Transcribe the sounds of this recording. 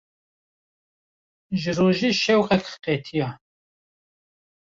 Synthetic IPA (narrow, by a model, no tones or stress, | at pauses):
ʒɨroːʒiːʃɛwqɛkxqeːt̪ʰijɑ